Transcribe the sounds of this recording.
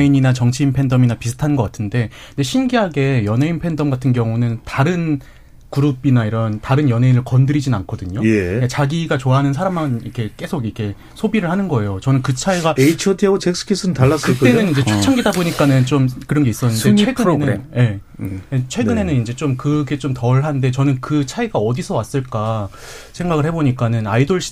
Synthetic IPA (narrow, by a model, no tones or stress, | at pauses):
eiɲinat͡ɕʌŋt͡ɕʰiːnpʰe̞ndʌminapisʰɯ̥tʰanɯnɡʌk͈atʰɯnde̞ | ind͡ʑeɕʰinɡiɦaɡe̞jʌne̞inpʰe̞ndʌmɡatʰɯnɡjʌŋunɯntaɾɯn | kuɾubinaiɾʌntaɾɯnjʌne̞inɯɭkʌndɯɾid͡ʑinankʰʌdɯɲojeikat͡ɕaɡiɡat͡ɕoaɦanɯnsʰaɾamːaniɾkʰe̞k͈e̞sʰoɡikʰe̞ | sʰobiɾɯɭhanɯnɡʌe̞jot͡ɕʌnɯnkɯt͡ɕʰaiɡaeit͡ɕʰotʰiot͡ɕʰek̚sʰɯ̥kʰis͈ʰɯnɯntaɭːasɯt͈e̞nɯnind͡ʑe̞t͡ɕot͡ɕʰaŋɡidaboɲik͈anɯnt͡ɕ͈omkɯɾʌnɡe̞is͈ʌnːɯnde̞t͡ɕwe̞ɡɯnje̞et͡ɕʰwe̞ɡɯne̞nɯnind͡ʑe̞t͡ɕomkɯɡe̞t͡ɕ͈omtʌɭɦande̞t͡ɕʌnɯnkɯt͡ɕʰaiɡaʌdisʰʌwas͈ɯɭk͈a | sʰe̞ŋɡaɣɯɭhe̞boɲik͈anɯnaidoɭɕ͈ʰi̥